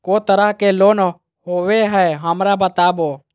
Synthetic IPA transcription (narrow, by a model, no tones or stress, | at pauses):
koːt̪əɾəɦkeloːn | ɦoːʋeɦɛɦəmɾabət̪aːboː